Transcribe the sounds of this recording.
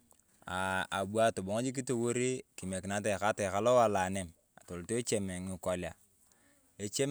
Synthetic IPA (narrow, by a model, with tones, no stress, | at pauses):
a˨a̰˨bu˦a˦˨to˨bo˨ŋ˦d͡ʒi˦k̬i˦to˦˨wo˦ɾi˦ki˨me˨ki˨na˨˦t̬e˨ka˦te˨ka˦lo˦wa˨la˨ne˦˨m | a̰˨to˨lto˦e˦t͡ʃe˨me˨ŋi˨ko˨˦lja˨ | e˨t͡ʃe˦m